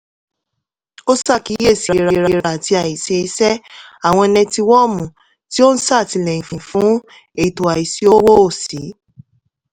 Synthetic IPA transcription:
o˦sa˦˨ki˨˦e˦˨si˨ɾa˧ɾɾa˧ɾa˧˨ti˧a˨i˨se˧i˧sɛ˦a˨w̃ɔ̃˧e˧nɛ̃˧ti˧wɔ˦˨mũ˨ | ti˦o˦n̩˦sa˦˨ti˧lɛ˨ĩ˨fĩ˨fũ˨˦ | e˦˨i˨to˨a˨i˨si˨˦o˦wo˦o˦˨si˨˦

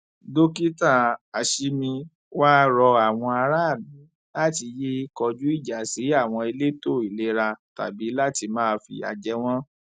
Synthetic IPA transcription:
do˦ki˦ta˦˨a˨ʃi˧mĩ˧ | waː˦ɾɔ˧a˨w̃ɔ̃˧a˧ɾa˦a˦˨mĩ˨˦ | la˦˨ti˧je˦i˧˦kɔ˧d͡ʒu˦i˦˨d͡ʒa˨si˨˦a˦˨w̃ɔ̃˧i˧le˦to˦˨i˨le˨˦ɾa˧ta̰˨bi˨˦la˦˨ti˧mãː˦˧fḭ˧a̰˨d͡ʒɛ˧w̃ɔ̃˦

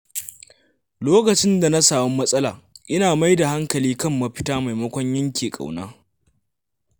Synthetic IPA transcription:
loː˦kɐ˨t͡ʃɪ˦nda˨na˦saː˨mʊ˦mːɐ˦sʼɐ˦laː˨ʔɪ˦naː˨ma˦jda˨ha˦ŋkɐ˨liː˦kɐ˦˨mːɐ˨ɸɪ˦taː˦ma˨jmɐ˦kʷɔ˦ɲjɐ˦ŋkʲeː˨kʼa̰˨wnaː˦

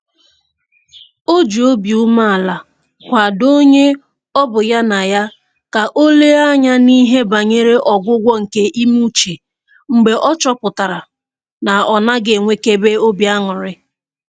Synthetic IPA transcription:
o˦d͡ʒo˦bi˨u˦ma˦a˨la˨ | kʷa˨do˦ɲe˦ | ɔ˦bʊ˨ja˦na˨ja˦ | ka˨ʔo˦le˦a˦ɲa˦ni˦ɦe˦ba˨ɲe˦ɾe˦ʔɔ˨ɡʷʊ˦ɡʷɔ˦ŋ̩˨ke˦ʔi˦mu˦t͡ʃe˨ | ŋ͡m̩˨ɡ͡be˨ʔɔ˦t͡ʃɔ˦kʊ˨ta˨ɾa˨ | na˨ɔ˨na˦ɡe˨ŋʷe˦ke˦be˦o˦bja˦ŋʊ˨ɾɪ˦

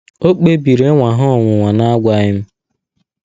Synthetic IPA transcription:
o˦k͡pe˦bi˨ɾe˦ŋʷa˨ɦɔ˦˨ŋʷʊ˨ŋʷa˨na˦a˦ɡʷa˦ɲɪ˦m̩˦

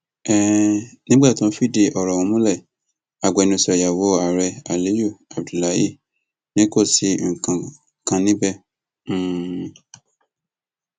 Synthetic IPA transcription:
ɛ˦˨nĩ˦ɡ͡ba˦˨tɔ̃˧˦fi˦˨de˧ʔɔ˨ɾɔ˨wɔ̃˧˦mũ˦lɛ˦˨ | a˨ɡ͡bɔ˨ɛ˧nũ˧sɛ˨ja˨wo˨˦a˨ɾɛ˧a˨li˨˦ju˦˨a˨b̚du˨la˨˦ji˦˨ | nĩ˦ko˦˨si˨˦˨kã˧ | kã˧nĩ˦bɛ̃˦

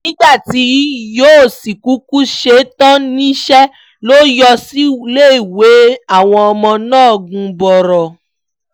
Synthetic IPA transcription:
nĩ˦ɡ͡ba˦˨ti˨˦joː˦˨si˨ku˨˦ku˦ʃe˨˦tã˦nĩ˦ʃɛ˦ | lo˦jɔ˧si˦le˦˨i˨we˨˦a˦˨w̃ɔ̃˧ɔ˧mɔ̃˧nãː˦˨ɡũ˧bɔ˨ɾɔ˨

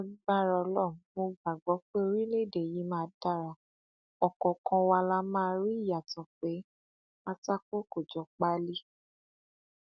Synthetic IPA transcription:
a˧ɡ͡ba˦˨ɾa˧˨lɔ˦˨mo˧ɡ͡ba˨ɡ͡bɔ˨˦k͡pe˦o˧ɾi˦le˦˨de˨ji˨˦mãː˦da˦˨ɾa˨ | ɔ˨kɔ̃˨kɔ̃˧wa˧la˦mã˦˧ɾi˦˨ja˨tã˨k͡pe˨˦ | a˦˧ta˦ko˦ko˨d͡ʒɔ˨˦k͡pa˦li˦

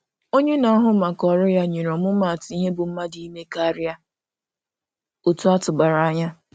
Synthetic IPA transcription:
o˦ɲe˦na˨ɔ˦ɦʊ˦ma˨kɔ˨ɾʊ˦ja˦ɲi˨ɾɔ˨mʊ˦ma˨tɪ˨i˦ɦe˦bʊ˨m̩˦ma˦di˨˦me˦ka˦ɾɪ˦a˦ | o˨tu˦a˦tʊ˨ba˨ɾa˨a˦ɲa˦

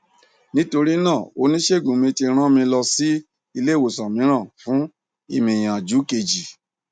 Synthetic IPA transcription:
nĩ˦to˧ɾi˦nãː˦˨o˧˦nĩ˦ʃe˦˨ɡũ˨mĩ˧ti˧ɾ̃ã˦mĩ˧lɔ˧si˦ | i˧le˦˨wo˨sã˨mĩ˨˦ɾ̃ã˦˨fũ˨˦ | ḭ˧˨mĩ˨j̃ã˨d͡ʒu˨˦ke˧˨d͡ʒi˨

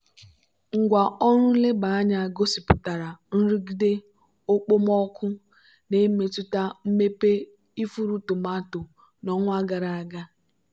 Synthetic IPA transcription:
ŋ̩˨ɡʷa˨ɔ˦ɾʊ˦le˦ba˨a˦ɲa˨ɡo˦si˨pʊ˨ta˨ɾa˨n̩˦ɾi˦ɡi˦de˦ | o˦k͡po˦mɔ˦kʷʊ˦ | ne˦me˨tʊ˦ta˦m̩˦me˦pe˦ | i˦fu˦ɾu˦tʊ˨ma˦tʊ˨ | nɔ˨ŋʷʊ˦a˦ɡa˨ɾa˨a˦˨ɡa˦

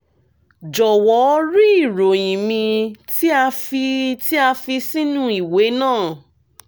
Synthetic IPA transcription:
d͡ʒɔ˨wɔ˨˦ɔ˧˦ɾi˦i˦˨ɾo˨j̃ĩ˨mĩ˧ti˦a˧fi˧ti˦a˧fi˧si˦nũ˦i˨we˨˦nãː˦˨

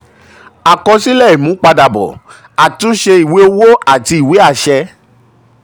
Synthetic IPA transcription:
a˨kɔ̃˧si˦lɛ˦˨i˨mũ˨˦k͡pa˧da˨bɔ̰˨ | a˨tũ˨˦ʃe˧i˨we˨˦o˧wo˦ʔa˨ti˧˦i˨we˨˦a˦˨ʃɛ˧

